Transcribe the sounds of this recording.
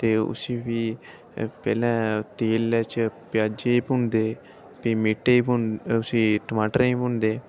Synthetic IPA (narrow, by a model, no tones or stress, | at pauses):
t̪eːʊ̰sĩːbiː | pɛ̰ːlɛ̃ːt̪eːlɛːt͡ʃpɪjaːd͡ʒeiːpʊɳd̪eː | piːmiːʈːeːiːpʊʊsĩːʈəmaːʈəɾĩːpʊnd̪eː